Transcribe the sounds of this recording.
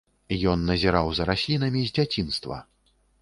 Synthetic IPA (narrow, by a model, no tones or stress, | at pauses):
jɔnːɐzʲiɾawzɐɾasʲlʲinɐmʲizʲd͡zʲat͡sʲinst̪vɐ̰